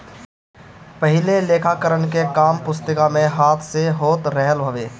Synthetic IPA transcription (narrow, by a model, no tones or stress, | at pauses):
pəɦɪleleːkʰakəɾənkekaːmpʊst̪əkamẽɦaːt̪ʰseɦoːt̪ɾɛɦəlbʱəʋeː